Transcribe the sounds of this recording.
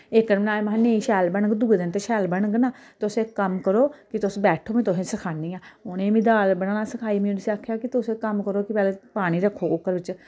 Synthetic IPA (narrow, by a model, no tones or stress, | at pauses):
ɪkːəɾmɪnaːemɦãnẽːiːʃɛːlbəɳəɡd̪uɡed̪ɪnt̪eːʃɛːlbəɳɡnaːt̪ːʊseːkːəmkəɾoːkɪt̪ʊsbɛːʈʰoːmẽːt̪ʊsẽːsəkʰaːniːãːonẽːʋĩːd̪aːlbəɽaːnaːsəkʰaːiːmuːnsiaːkʰːjaːkɪt̪ʊseːkəmkəɾoːkɪpɛːleːpaːɽ̃iːɾəkʰːoːʊkːəɾʋɪt͡ʃ